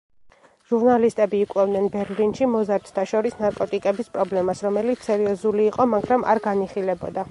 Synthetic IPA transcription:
ʒ̥uɾnalist̪ʼɛbiːkʼwɛvd̪nɛnbɛɾlinʃimɔzaɾd̪̥t̪ʰaʃɔɾisnaɾkʼɔt̪ʼikʼɛbispʼɾɔblɛmasɾɔmɛlit̪sɛɾiɔzuliːqʼɔmaɡɾama̰ɾɡaniχilɛbɔd̪a

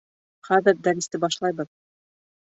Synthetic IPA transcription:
χæðɘɾd̪æɾʲist̪ɘbɑʃlˠɑjbɤð

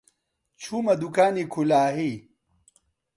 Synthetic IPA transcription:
t͡ɕʰumɐd̪ukaːnikʰulaːɦi

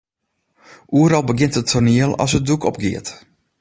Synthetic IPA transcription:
ʔuəɾɔlˠbəɡɪntətʰorniəlˠɔ̰sət̚dukʰɔp̚ɡɪət

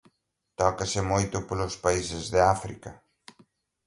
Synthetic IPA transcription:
t̪ɔkɐsɪmojt̪ʊpolʊspaisɪzðɪafɾḭkɐ

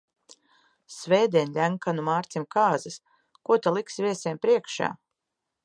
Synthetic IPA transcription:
svɛːd̪ʲiɛnlʲæŋkanumaːɾt̪simkaːzɐs | kuɔt̪alˠiksvʲiɛsiɛːmpɾiɛkʃa̰ː

